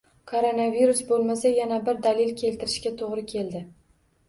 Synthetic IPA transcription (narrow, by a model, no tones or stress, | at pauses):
kʰoɾonaviɾusbolˠmasajanabɪɾd̪alɪlkʲʰe̞lt̪ʰɪɾɪʃkʲat̪ʰoʁɾɪkʲʰe̞ld̪ɪ